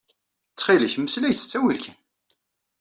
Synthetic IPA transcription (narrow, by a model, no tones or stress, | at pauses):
t͡sːχiləçmːəslæjt͡sːə̥t͡sːæwilkʰæn